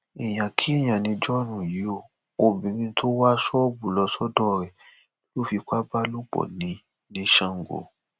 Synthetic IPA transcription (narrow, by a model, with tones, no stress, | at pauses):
i˨j̃ã˨kʰi˨˦i˦˨j̃ã˨nĩ˧d͡ʒɔ˦ɾ̃ũ˨ji˨˦o˦˨ | o˨bĩ˨ɾĩ˧˦tʰo˦wa˦sɔ˦o˦bu˨lɔ˧sɔ˦dɔ˦˨ɾɛ˨˦ | lo˦˨fi˧kʷa˦ba˦lo˦k͡pɔ̰˨nĩ˨˦ | nĩ˧˦ʃã˦ŋ̩˨ɡo̰˨